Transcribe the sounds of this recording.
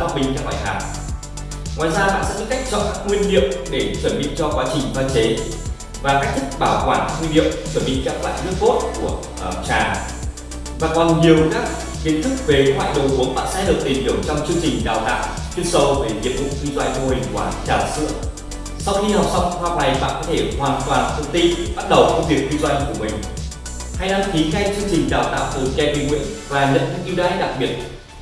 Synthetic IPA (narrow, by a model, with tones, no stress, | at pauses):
a˦˧ɓï˧ŋkaː˦˥k̚la̰ː˧˨h̪aː˨˩w | ŋwaː˨jzaː˧ɓa̰ː˧˥sɛ̰˧˥ə˧˥ŋka˦˥jk̟̚t͡ɕɔ̰˧˨nkaː˦˥k̚ŋwi˧ənɗḭ˧˨əmɗe˧˩t͡ɕə˧˩nɓḭ˧˨t͡ɕɔ˧kwaː˨˦t͡ɕï˨˩ŋ̟vaː˧t͡ɕe˨˦ | vaː˨˩kaː˦˥k̚t̪ʰï˦˥k̚ɓaː˧˩wkwaː˧˩nŋwi˧nɗḭ˧˨əŋ͡mt͡ɕə˧˩nɓḭ˧˨ŋ̟kaː˦˥k̚lwa̰ː˧˨jnɨ˦˥ək̚ko˦˥t̚ku˧˩ə | ə˨˩t͡ɕaː˨˩ | vaː˨˩kɔ˨˩nɲi˨˩əwkaː˦˥k̚ | ki˨˧˨ən̚t̪ʰɨ˦˥k̚ve˨˩wa̰ː˧˨jɗo̰˨zu˨˦əŋɓa̰ː˧˥saː˧˥jlɨ˨˩k̚t̪i˨˩nɗi˨˩əwt͡ɕɔ˧wŋ͡mt͡ɕɨ˧əŋt͡ɕï˨˩ŋ̟ɗaː˨˩wt̪a̰ː˧˨n | t̪i˧ənsə˨˦wve˨˩zi˨˩əp̚ɗʊ̰˧˨ŋ͡m̚zi˧zwa̰˧jnvo˧hï˨˩ŋ̟kwaː˧˩nt͡ɕaː˨˩msɨ̰˧˥ə | sa˧wxi˧ha˨˩wsa˧wŋ͡mhwa˧˩k͡p̚na˨˩jɓa̰ː˧˨nkɔː˨˦t̪ʰe˧˩hwaː˨˩nt̪waː˨˩nk̪ʰə˨˩ŋ͡mt̪i˧nɓa˦˥t̚ɗə˨˩wkɔ˨˧˦vi˨˩ək̚zi˧zwa̰˧jku˧˩əmï˨˩ŋ̟ | ha˧jɗa˧˦nki˨˦xa˧t͡ɕɨ˧əŋt͡ɕï˨˩ŋ̟ɗaː˨˩wt̪a̰ː˧˨wt̪ɨ˨˦kɛ˧ɓi˧ŋŋwḭ˧˥ənvaː˨˩ɲə̰˧˥nɨ̰˧˥ŋʔi˧zaː˨˧˦jɗa˨˩k̚ɓi˨˩ət̚